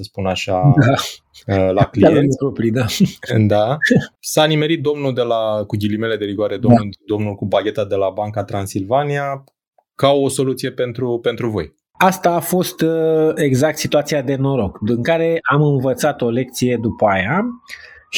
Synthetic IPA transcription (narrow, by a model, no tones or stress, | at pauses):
səspunaʃad̪a | lakliaepɾopɾid̪ad̪asanime̞ɾit̪̚d̪o̞mnuld̪e̞lakuɡʲilime̞le̞d̪e̞viɡwaɾed̪omd̪o̞mnulkubaɡʲe̞t̪ad̪e̞labaŋkat̪ɾansilvania | kawoso̞lut̪sije̞pe̞nt̪ɾupe̞nt̪ɾuvo̞̰j | ast̪aːfo̞st̪e̞ɡzak̚t̪sit̪uat̪siad̪e̞no̞ɾo̞kd̪iŋkaɾe̞amɨnvət̪sat̪o̞le̞k̚t̪sije̞d̪upəaja